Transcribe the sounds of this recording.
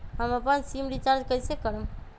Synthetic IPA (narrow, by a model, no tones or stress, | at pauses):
ɦəməpənsimɾit͡ʃaɾd͡ʒkəɦsekəɾəm